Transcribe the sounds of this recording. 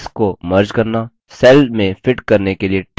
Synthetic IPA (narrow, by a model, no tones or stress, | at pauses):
skomɐɾd͡ʒkɐɾna | sɛːlmẽfɪʈkɐɾnekelieʈ